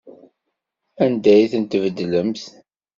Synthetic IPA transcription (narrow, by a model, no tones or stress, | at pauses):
ænd̪æjθənt̪əvəd̪ːləmθ